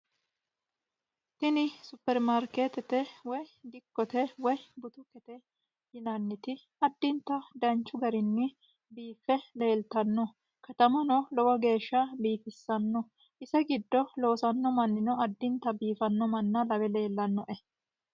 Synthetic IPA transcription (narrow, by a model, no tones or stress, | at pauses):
t̪ɪnɪsʊpːɛɾmaɾkeːt̪ɛt̪ɛwɔjd̪ɪkːɔt̪ɛwɔjbʊt̪ʊkɛt̪ɛ | jɪnɐnːɪt̪ɪ | ɐd̪ːɪnt̪ɐd̪ɐnt͡ʃːʊɡɐɾɪnːɪ | biːfːɛle̞ːlt̪ɐnːɔ | kɐt̪ɐmɐnɔlɔwɐɡe̞ːʃːɐbiːfɪsːɐnːɔ | ʔɪsɐɡɪd̪ːɔlo̞ːsɐnːɔmɐnːɪnɔɐd̪ːɪnt̪ɐbiːfɐnːɔmɐnːɐlɐbɛle̞ːlːɐnːɔʔɛ